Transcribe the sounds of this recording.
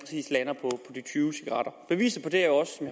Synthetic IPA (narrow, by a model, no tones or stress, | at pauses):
pʰɐ̥sḭːslænɐpʰɒ̽pʰɒ̽d̥it͡sʰyːʊsiɡ̥ɐʁɑ̈ɾ̥ɐb̥e̝ʋḭːsð̩ˠpʰɒ̽d̥e̝æɐjoɒ̽sːɒ̽mj